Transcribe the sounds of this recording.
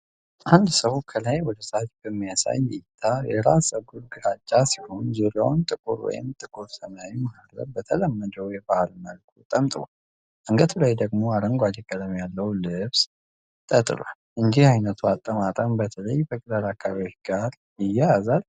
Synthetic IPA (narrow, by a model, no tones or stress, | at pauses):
ʔand̪səwkʰəlajwɔd̪əsat̪bəmːijasa̰jːɪt̪ʰːajɛ̰ɾasəɡulɡɨɾat͡ʃʼːasiho̞nzuɾawnt̪ʼɨkʼuɾwɔ̰jɪ̰mt̪ʼɨkʼuɾsənawimaaɡ̪ɾə̰bbət̪ʰələmːəd͡ʒəwjɛbahlməlkʰut̪ʼəmt̪ʼɨwa̰l | ʔɨŋɡət̪ʰulajd̪əɡmo̞aɾəŋɡʷad͡ʒɛkʼələmjalːəwlɨβs | t̪ʼət̪ʼɨ̰lwa̰lʔɨnd͡ʒihajnət̪ʰuat̪ʼːəmat̪ʼəmbət̪ʰələjbəkʼd̪əɾakʰːaβiot͡ʃɡ̥aɾ | jɪjːaazal